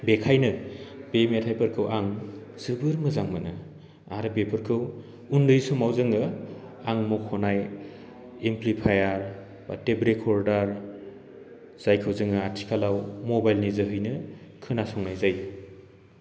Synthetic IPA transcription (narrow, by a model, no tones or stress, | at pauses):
bekʰajnɯb̥emetʰajpɐɾkʰɯwʔaŋzɯbɯɾmɯzaŋmɯnɯ | aɾɯpepʰɯɾkʰɯw | undɯjsumawzɯŋɯ | aŋmɔkʰɔnaj | emplipʰajaɾ | ba̰tebɾekʰɔɾdaɾ | z̥ajkʰɯwzɯŋɯatʰi̥kʰalawmɔbajlnizɯɦɯjnɯ | kʰɯnasɔŋnajzaj